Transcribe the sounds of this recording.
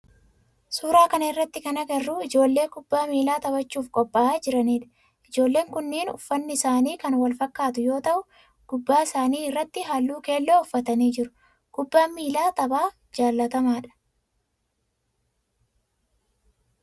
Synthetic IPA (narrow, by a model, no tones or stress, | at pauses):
suːɾaːkɐnɐɪrːɐt̪ːɪkɐnɐɡɐrːuːɪd͡ʒo̞ːlːe̞ːkʊbːaːmiːlaːt̪ɐbɐt͡ʃːuːfkʼɔpʼːɐʔaːd͡ʒɪɾɐniːᶑɐ̥ | ʔɪd͡ʒo̞ːlːe̞ːŋkʊnːiːnʊ̰fːɐnːɪɪsaːniːkɐnwɐlfɐkːaːt̪ʊjo̞ːt̪ɐʔʊ | ɡ̥ʊbːaːɪsaːniːɪrːɐt̪ːɪɦaːlːuːke̞ːlːoːʊfːɐt̪ɐniːd͡ʒɪɾʊ̥ | kʊbːaːmiːlaːt̪ɐbaː | d͡ʒaːlːɐt̪ɐmaːᶑɐ̥